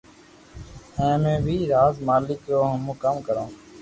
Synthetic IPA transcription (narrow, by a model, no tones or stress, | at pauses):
ɛ̃ːmẽːbʱiːɾaːzmaːlɪkɾoːɦʊmʊ̃ːkəmkəɾõː